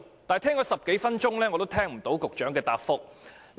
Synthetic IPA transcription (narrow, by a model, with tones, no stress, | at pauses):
t̪aː˨˩jt̪ʰɛː˥ŋt͡ʃɔː˨˥sɐ˨p̚ke˨˥jfɐ˥nt͡ʃʊ˥ŋlɛː˥ŋɔː˨˧t̪o˥wt̪ʰɛː˥ŋm̩˨˩t̪o˨˥wkʊ˨k̚t͡ʃœː˨˥ŋkɛː˧t̪aː˨pfʊ˥k̚ | l